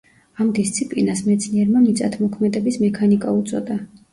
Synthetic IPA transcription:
amd̪ist̪sʰipʼlinasmɛt̪sʰniɛɾmamit̪sʼa̰t̪ʰmɔkʰmɛd̪ɛbismɛkʰanikʼaut̪sʼɔ̰d̪a

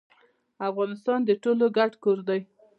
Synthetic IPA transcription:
afɣɑnɪst̪ɑnd̪əʈoloɡaʈkoɾd̪aj

